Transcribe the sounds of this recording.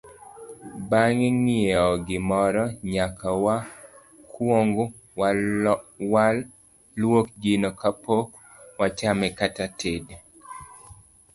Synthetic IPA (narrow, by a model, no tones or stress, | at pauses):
baŋeŋieɔɡɪmɔɾɔɲakawa | kwoŋɡo | walː | wok̚ɡinɔkapok | wat͡ʃamɛkatatʰed